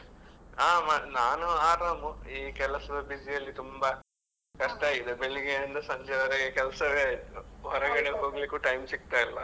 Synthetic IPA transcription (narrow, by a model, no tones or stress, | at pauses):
aːmanaːnuaːɾaːmuiːkɛlɐsɐd̪ɐbid͡ʒijɐlːit̪umbɐ | kɐʂʈɐaːɡid̪ebeɭiɡeɐnd̪ɐsɐɲd͡ʒɛʋɐɾɐɡekɛlɐsɐʋeaːjit̪uɦɔɾɐɡɐɽeɦoːɡɐlikuːʈɐjmsik̚t̪aːjilːɐ